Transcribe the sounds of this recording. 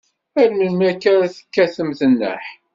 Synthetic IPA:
ælməlmækːæɾæθə̥kːæθəmθənːə̰ħ

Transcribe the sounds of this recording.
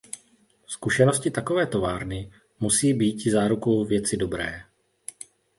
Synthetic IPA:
skuʃɛno̞scɪt̪ako̞vɛːt̪o̞vaːɾnɪ | musiːbiːcɪzaːɾukowvjɛt͡sɪdo̞bɾɛ̰ː

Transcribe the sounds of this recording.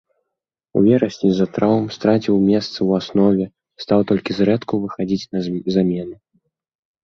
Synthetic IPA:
ṵvʲɛɾɐsʲnʲizat̪ɾawmst̪ɾat͡sʲiwmʲɛst̪sɨwasnɔvʲɛ | st̪awt̪ɔlʲkʲizɾɛt̪kuvɨxad͡zʲit͡sʲnɐzamʲɛnɨ

